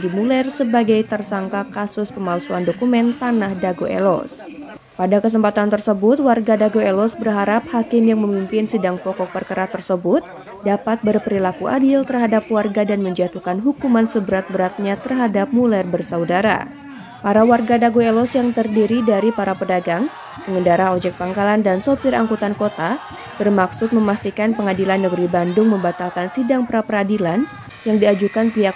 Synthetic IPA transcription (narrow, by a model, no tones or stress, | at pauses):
dimulɛrsəbaɡajt̪ərsaŋkakasʊspəmalsuandokumɛnt̪anahdaɡoʔɛ̰lɔ̰s | padakəs̬əmpat̪ant̪ərsəbʊt̪̚warɡadaɡoɛlɔsbərɦaɾap̚hakɪmjaŋməmimpɪnsidaŋpɔkɔk̚pərkaɾaht̪ərsəbʊt̪̚ | dapat̪̚bərpəɾilakuʔa̰dɪlt̪ərɦadap̚warɡadanməɲd͡ʒat̪ukanɦukumansəbəɾat̪̚bəɾat̪̚ɲat̪ərɦadap̚mulɛrbərsaudaɾa̰ | paɾawarɡadaɡoɛlɔsjaŋt̪ərdiɾidaɾipaɾapədaɡaŋ | pəŋəndaɾaɦod͡ʒɛk̚paŋkalandansopɪɾa̰ŋkut̪ankot̪a | b̥ərmaksʊt̪̚məmast̪ikanpəŋadilanːəɡəɾibandʊŋməmbat̪alkansidaŋpəɾapəɾadilan | jaŋdiad͡ʒukanpiɦak